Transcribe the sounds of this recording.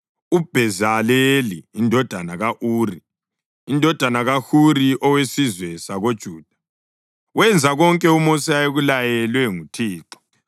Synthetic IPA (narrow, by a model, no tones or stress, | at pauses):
ub̥ʱɛzaleliːndʱɔd̥ʱanaɣaʔuːri | indʱɔd̥ʱanaɣaxuriʔɔwesizwɛsaɣod̥ʒ̥ʱuːd̥ʱḁ | wɛnd͡zʱaɣɔŋkʼɛumosiajeɣulajɛlwɛŋutʰiːǁɔ̥